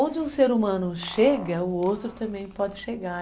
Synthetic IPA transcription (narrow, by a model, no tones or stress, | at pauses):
õd͡ʒɪũseɾumɐ̃nʊʃeɡɐʊowt̪ɾʊt̪ɐ̃mbẽj̃pɔd͡ʒɪʃeɡa